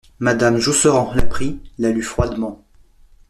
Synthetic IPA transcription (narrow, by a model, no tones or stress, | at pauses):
mad̪amʒusəʁɑ̃lapχilalyfχwad̪mɑ̃